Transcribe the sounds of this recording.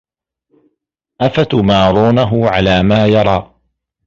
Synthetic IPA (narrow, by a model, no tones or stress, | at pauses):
ʔafat̪maːɾˤuːnaɦʊʕalaːmaːjɑɾˤɑː